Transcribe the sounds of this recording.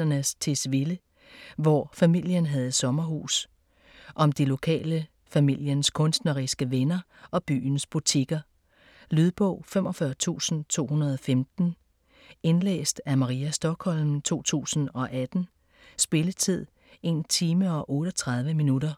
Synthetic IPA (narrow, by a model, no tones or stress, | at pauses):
ɐnəst͡sʰe̝sʋe̝lə | ʋɒfæmil̰jənɦæð̞ˠsɒ̽mɐɦṵːs | ʔɒ̽md̥ilo̝kʰɛ̰ːlə | fæmil̰jənskʰɔ̽nsd̥nɐʁisɡ̥əʋenɐ | ʔɒ̽b̥y̰ːn̩sb̥ut͡sʰiɡ̥ɐ | lyð̞ˠb̥ɔ̰̽ʊ̰fem̰ɒ̽fɶɐt͡sʰṵːsn̩t͡sʰo̝̰ːhunɐð̞ˠɒ̽femd̥n̩ | e̝nlḛːsd̥æmɑ̈ʁiːæsd̥ɒ̽ɡ̥hɒ̽l̰mt͡sʰo̝̰ːt͡sʰṵːsn̩ɒ̽ʔæd̥n̩ | sb̥e̝lət͡sʰið̞̰ˠ | e̝ːnt͡sʰiːməɒ̽ʔɔ̽ːɾ̥ɒt͡sʰʁɑ̈ð̞ˠʋəminuɾɐ